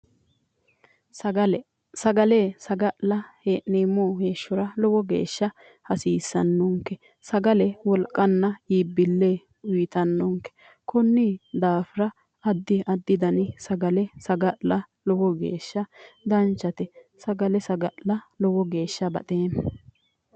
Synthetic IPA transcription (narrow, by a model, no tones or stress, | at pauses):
sɐɐlɛ | sɐɡɐleːsɐɡɐʔlɐheːʔneːmoːheːʃːɔɾɐlɔwɔɡḛːʃːɐ | hɐsiːsːɐ̰nːɔŋkːɛ | sɐɡɐlɛwɔlkʼːɐnːɐiːbːɪlːeː | iːt̪ɐnːɔŋkɛ̥ | kɔnːid̪aːfɪɾɐ | ɐd̪ːɪʔɐd̪ːɪd̪ɐnɪsɐɡɐlɛsɐɡɐʔlɐ | lɔwɔɡḛːʃːɐd̪ɐnt͡ʃːɐt̪ɛsɐɡɐlɛsɐɡɐʔlɐlɔwɔɡe̞ːʃːɐbɐ̰t̪ʼeːnɐ